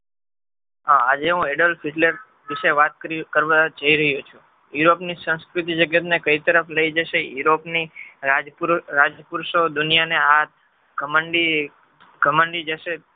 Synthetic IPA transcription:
aad͡ʒeɦũeɖəlpʰiʈləɾ | ʋiʃeʋat̪̚kəɾikəɾʋad͡ʒəiɾəɦjot͡ʃʰũ | juɾopnisə̃ñskɾut̪id͡ʒəɡjət̪nekəit̪əɾəfləid͡ʒəʃejuɾopniɾad͡ʒpuɾɾad͡ʒpuɾʃod̪unijaneat̪ | ɡʱəməɳɖi | ɡʱəməɳɖid͡ʒəʃe

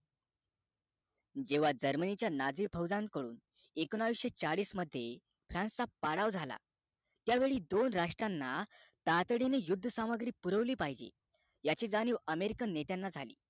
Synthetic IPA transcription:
d͡ʑeʋad͡zəɾmənit͡ɕjanad͡ziːbʱəwd͡zankəɽṵːn | ekənaʋiɕet͡saɭiːsməd̪ʱːje | fɾãnst͡sapaɽaʋd͡zʱala̰ | t̪jaʋeɭiːd̪onɾaʂʈɾanːat̪at̪ɽinejud̪ʱːəsaməɡɾiːpuɾəʋliːpaɦid͡ʑḛ | jat͡ɕiːd͡zaniːʋəmeɾikənːet̪janːad͡zʱalḭː

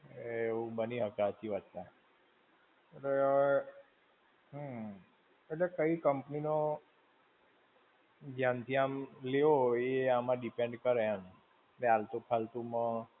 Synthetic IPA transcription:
eũbəniɦəkat͡ʃiʋat̪a | eʈleʋ | ɦə̃ | eʈlekəikəmpnino | ɡ̪jant̪ʰiamleʋoeamãɖipẽɳɖkəɾeɦən | nealt̪ũpʰalt̪ũmə̃

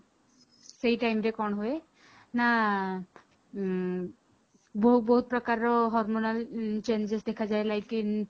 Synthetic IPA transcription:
sejʈajmɾekɔnɦue | na | bɔɦut̚bɔɦut̪̚pɾɔkaɾɔɦɔɾmonalt͡ʃend͡ʒesd̪ekʰazajlajkin

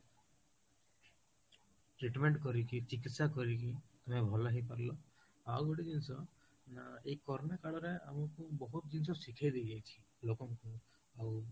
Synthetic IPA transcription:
ʈɾiʈmeɳʈkɔɾikit͡ʃikit̪sakɔɾiki | amebʱɔlaɦipaɾlɔ | awoɽid̪insɔ | naejkɔɾnekaɽɔɾea̰mɔkubɔɦut̪̚dinsɔsikʰajd̪eɡajt͡ʃʰi̥ | lokɔŋku | aw

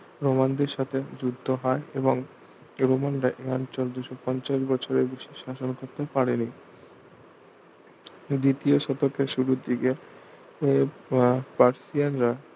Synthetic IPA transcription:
ɾomand̪eɾʃat̪ʰed͡ʑud̪ʱːoɦɔeʔeboŋ | ɾomanɾaʔeɔnt͡ɕold̪uʃopɔnt͡ɕaʃbɔt͡ɕʰoɾebeʃiʃaʃonkoɾt̪epaɾeni | d̪it̪ioʃɔt̪okʰːeɾʃuɾud̪ike | e | paɾsianɾa

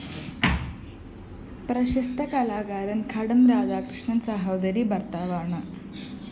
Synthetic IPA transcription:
pɾɐɕɐst̪ʰɐkɐlaːɡaːɾɐnkʰɐɽɐmɾaːd͡ʒaːkɾɨʂɳɐnsɐɦɐwd̪ɐɾibɐrt̪aːʋaːɳɨ

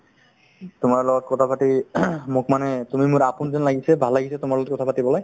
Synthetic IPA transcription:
tʊmaɹlɔɡɔt̚kɔtʰapatimʊkmanɛtumimʊɹapunzɔnlaɡisɛbʱalːaɡisɛtʊmaɹlɔɔt̚kɔt̪ʰapatibɔlaj

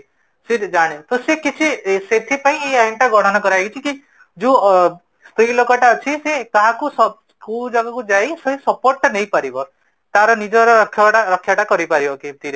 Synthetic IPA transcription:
sed͡ʒaɽ̃et̪osekit͡ʃʰiset̪ʰipaĩejajɳʈaɡɔɽ̤ɔnɔkɔɾajkʰit͡ʃʰiki | d͡ʒũ | st̪ɾilokɔʈaɔt͡ʃʰisek̪aɦãkusɔskuld͡ʒɔɡɔkud͡ʒajseɦĩsɔpoɾʈnejpaɾibɔ | t̪aɾɔnid͡ʒɔɾɔkʰːɔaɾɔkʰːjaʈakɔɾipaɾibɔkit̪iɾe

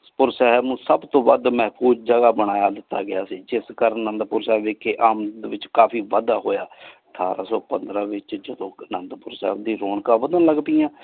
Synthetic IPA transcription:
pʊɾsɛɦəbnũːsəbt̪õːbəd̪mɛɦpʰuːzd͡ʒəɡaːbəɽ̃aːjaːd̪ɪt̪ːa̰ːɡɪaːsiːd͡ʒɪskəɾənnənd̪pʊɾsɛːbeːkeːʔaːmd̪ʋɪt͡ʃkaːpʰiːʋəd̪aːɦoːjaːəʈʰa̰ːɾa̰ːsɔːpənd̪ɾaːʋɪt͡ʃd͡ʒəd̪õːnənd̪pʊɾsɛ̰ːɦb̚d̪iːɾoːɳkaːʋəd̪ãːləɡpiːãː

